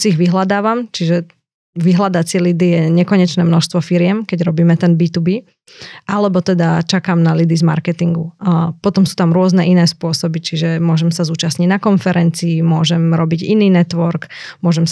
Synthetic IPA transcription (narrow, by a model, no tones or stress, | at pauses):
siːɣʋiɦlad̪aːʋamt͡ʃiʒɛ | ʋiɦlad̪at͡sɪɛlid̪ijɛɲɛkɔɲɛt͡ʃnɛːmnɔʃst̪ʋɔfiɾɪɛmkɛɟɾɔbiːmɛt̪ɛnbiːt̪ubiː | ʔalɛbɔt̪ɛd̪at͡ʃakaːmnalid̪izma̰ɾkɛt̪iŋɡupɔt̪ɔmsuːt̪amɾʊɔznɛʔinɛːspʊɔsɔbit͡ʃiʒɛmʊɔʒɛmsazuːt͡ʃasɲiɟnakɔnfɛɾɛnt͡siːmʊɔʒɛmɾɔbiɟḭniːnɛt̪ʋɔɾkmʊɔʒɛm